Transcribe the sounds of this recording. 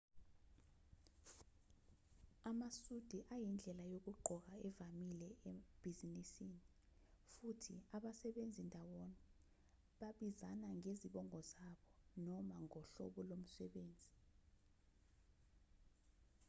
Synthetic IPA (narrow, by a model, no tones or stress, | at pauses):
amasud̥ʱiʔajind͡ɮʱɛlajok̬uɡ͡ǃʱɔk̬aɛvamilɛeb̥ʱizinisiːni | futʰḭaɓasɛɓend͡zʱindʱawoni | ɓaɓizanaŋeziɓɔŋɔzaɓɔnɔmaŋɔɬɔ̰ɓɔlom̩sɛɓeːnd͡zʱi